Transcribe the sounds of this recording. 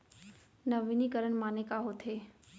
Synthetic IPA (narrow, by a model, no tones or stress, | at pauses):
nəʋinikəɾəɽ̃maːnekaɦot̪ʰɦeː